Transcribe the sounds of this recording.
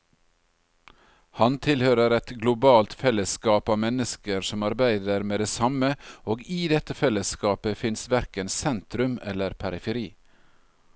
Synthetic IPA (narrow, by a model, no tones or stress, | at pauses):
hɑnt̪ʰɪlhøːɾəɾɛt̪ɡlʊbɑːlt̪fɛləskɑːpɑːʋmɛnəskəɾsɔmɑɾbæɪd̪əɾmeːd̪eːsɑməʔoːɡiːd̪ɛt̪əfɛləskɑːpəfɪnsʋæɾkənsɛnt̪ɾʉmɛ̰ləɾpʰæɾɪfəɾiː